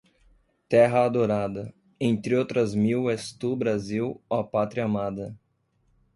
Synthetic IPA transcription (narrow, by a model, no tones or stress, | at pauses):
t̪ɛɦɐad̪oɾad̪ɐ | ẽnt̪ɾɪowt̪ɾɐzmiwest̪ubɾaziwapat̪ɾɐmad̪ɐ